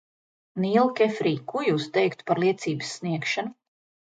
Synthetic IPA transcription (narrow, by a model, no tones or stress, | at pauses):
niːlˠkʲɛfɾiːkujust̪ɛjkt̪u̥paɾlˠiɛt̪siːbɨsːniɛkʃanu